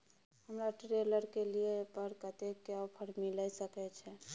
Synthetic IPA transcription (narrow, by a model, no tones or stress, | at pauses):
həmɾaʈɾeləɾkeliepəɾkət̪ekːeapʰəɾmiləjsəkɛt͡ʃʰɛ